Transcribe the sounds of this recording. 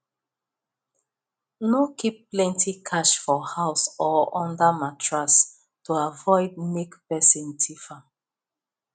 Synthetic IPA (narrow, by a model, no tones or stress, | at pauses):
nokipːlɛ̃ntʰikʰaʃfɔhaʊsɔɔ̃ndəmatɹas | tuavɔɪd̚mekpɛsĩntʰifa